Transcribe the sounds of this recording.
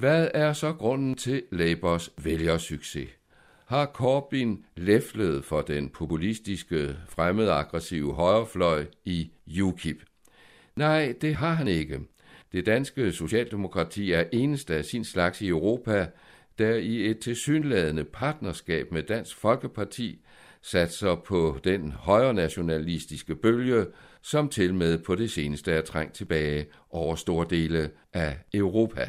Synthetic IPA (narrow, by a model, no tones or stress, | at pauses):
ʋæðˠæɐsɒ̽ɡ̥ʁɔ̽n̰n̩t͡sʰe̝leɪb̥ɐsʋeljɐsyɡ̥se̝̰ | hɑ̈kʰɒːb̥inlefləð̞ˠfɒ̽d̥enpʰo̝pʰulisd̥isɡ̥əfʁaməðˠɑɡ̥ʁɛsḭʊəɦɒ̽ɪʁɐflɒ̽ɪ̰ijukʰib̥ | nɑ̈ɪ̰d̥e̝ɦɑ̈ɦæne̝ɡ̥ə | d̥e̝d̥ænsɡ̥əso̝ɕɛ̰ːld̥e̝mo̝kʰʁɑ̈t͡sʰḭːæɐʔe̝ːnəsd̥əæsinslɑ̈ɡ̥siøʊʁo̝̰ːpʰæ | d̥æie̝d̥̚t͡sʰe̝lsy̰ːnlɛːð̞ˠənəpʰɑ̈ːd̥̚nɐsɡ̥ɛ̰ːb̥med̥æn̰sɡ̥fɒ̽lɡ̥əpʰɑ̈t͡sʰḭː | sæd̥sɑɪpʰɒ̽d̥enhɒ̽ɪɐnæɕo̝nælisd̥isɡ̥əb̥øljəsɒ̽mt͡sʰe̝lmeð̞̰ˠpʰɒ̽ɾ̥e̝se̝ːnəsd̥əæɐt͡sʰʁɑŋ̰t͡sʰe̝b̥ɛːɪ | ʔɒʊɐsd̥o̝ːɐd̥e̝̰ːlə | ʔæøʊʁo̝̰ːpʰæ